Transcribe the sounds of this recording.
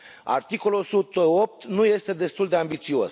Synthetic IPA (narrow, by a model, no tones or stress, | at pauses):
a̰rt̪iko̞lo̞sut̪əo̞p̚t̪nuje̞st̪e̞d̪e̞st̪uld̪e̞ambit̪sio̞s